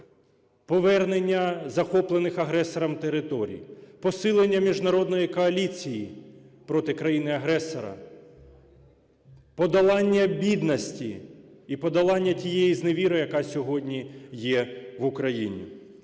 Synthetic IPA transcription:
pɔʋɛrnenʲːɐzɐxɔplˠenɪxɐɦɾɛsɔɾɐmt̪eɾɪt̪ɔɾʲḭjpɔsɪlˠenʲːɐmʲiʒnɐɾɔd̪nɔjikɔɐlʲit͡sʲijipɾɔt̪ɪkɾɐjinɪɐɦɾɛsɔɾɐ̰ | pɔd̪ɐlˠɑnʲːɐbʲid̪nɐsʲtʲi | ipɔd̪ɐlˠɑnʲːɐtʲijɛizneʋʲiɾɔjɐkɑsʲɔɦɔdʲnʲijɛʋukɾɐjinʲḭ

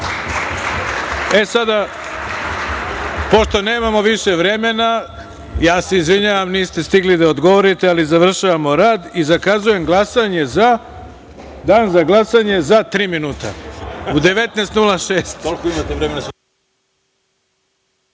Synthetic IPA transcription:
e̞sad̪a | po̞ʃt̪o̞ne̞ːmamo̞ʋiʃeʋɾe̞me̞na | jaːseizʋiɲaːʋamniːst̪e̞st̪iɡlid̪aod̪ɡo̞ʋo̞ɾit̪ealizaʋr̩ʃaʋamo̞ɾaːd̪izakazuje̞mɡlˠasaɲe̞za | d̪aːnzaɡlˠasaɲe̞zat̪ɾiːminuːt̪a̰ud̪e̞ʋe̞t̪nest̪nulˠaʃeːst̪kolkoimat̪eʋɾemena

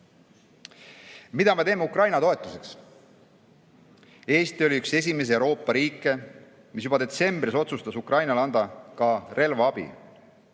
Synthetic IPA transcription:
mid̪ɑme̞t̪e̞ːmːeukrɑjnɑt̪o̞e̞t̪ːˑuse̞ks | e̞ːst̪io̞liykse̞s̬ʲime̞s̬eewɾo̞ːpˑːɑɾiːkːˑe̞ | mis̬jub̥ɑd̪e̞t̪se̞mb̥ɾiso̞t̪sust̪ɑsukrʔɑjnɑlɑnd̪ɑkɑre̞lvɑɑb̥ḭ

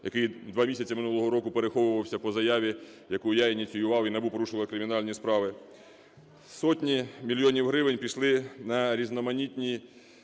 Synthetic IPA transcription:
jɐkɪjd̪ʋɑmʲisʲɐt͡sʲɐmɪnulˠɔɦɔɾɔkʊpeɾexɔʋʊʋɐwsʲɐpɔzɐjɑʋʲi | jɐkujɑinʲit͡sʲijʊʋɑwinɐbupɔɾuʃɪʋlˠɐkɾɪmʲɪnɑlʲnʲispɾɑʋɪ | sɔtʲnʲimʲilʲjɔnʲiwɦɾɪʋɪnʲpʲiʃlˠɪnɐɾʲiznɔmɐnʲit̪ʲnʲi

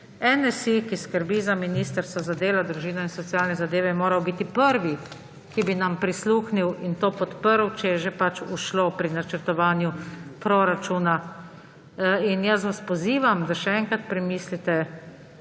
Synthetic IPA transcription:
ɛnɛsikiskəɾbizaminiːst̪əɾst̪azad̪eːlad̪ɾuʒiːnɔinsɔt̪sjaːlnɛzad̪eːʋɛmoːɾawbit̪ipəɾʋi | kibinampɾisluːxniwint̪oːpɔt̪pəɾwt͡ʃɛjɛʒepat͡ʃuʃlopɾinat͡ʃəɾt̪ɔʋaːnjupɾoɾat͡ʃuːna | injas̬ʋaspɔziːʋamd̪aʃɛɛŋkat̪̚pɾɛmiːslit̪ɛ

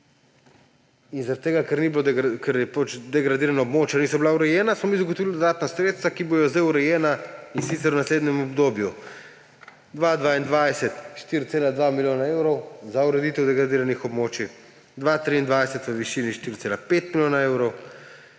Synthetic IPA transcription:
inzaɾat̪t̪ːeːɡakɛɾnibilod̪kɛɾjɛpot͡ʃd̪ɛɡɾad̪iːɾanaobmoːt͡ʃaniːsɔbilauɾɛjɛːnasmɔmizaɡot̪ɔʋild̪od̪aːt̪nasɾeːt̪st̪ʋakibojɔzd̪ejuɾɛjɛːnainsit̪sɛɾwnasleːd̪nɲɛmɔbd̪obju | d̪ʋad̪ʋaind̪ʋajsɛt̪ʃt̪iɾt̪seːlad̪ʋamiljoːnaeːwɾɔwzauɾɛd̪it̪ɛwd̪ɛɡɾad̪iːɾanixɔbmoːt͡ʃi | d̪ʋat̪ɾiːnd̪ʋajsɛt̪ʋəʋiʃiːniʃt̪iɾt̪seːlapet̪milʲjoːnaewɾɔw

